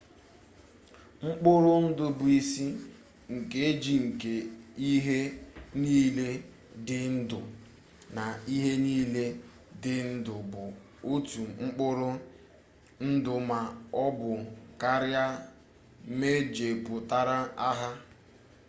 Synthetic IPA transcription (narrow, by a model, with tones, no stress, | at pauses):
ŋ͡m̩˦k͡pʊ˦ɾʊ˦n̩˦dʊ˨bʊ˨i˨si˦ | ŋ̩˨ke˦e˦d͡ʒi˨ŋ̩˨ke˨i˦ɦe˦niː˦le˦ | dɪ˦n̩˦dʊ˨ | na˨i˦ɦe˦niː˦le˦ | dɪ˨n̩˦dʊ˨bʊ˨ | o˦tu˨ŋ͡m̩˦k͡pʊ˦ɾʊ˦ | n̩˦dʊ˨ma˨ɔ˦bʊ˨ka˦ɾja˦ | me˦d͡ʒe˨bʊ˨ta˦ɾa˦a˦ɦa˦